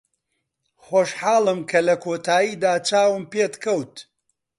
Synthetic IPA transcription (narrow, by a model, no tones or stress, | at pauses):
χoːʃħaːlˠɨmkʰɐlɐkʰoːt̪ʰaːjiːd̪aːt͡ʃaːwɨmpeːt̪kʰɐwt̪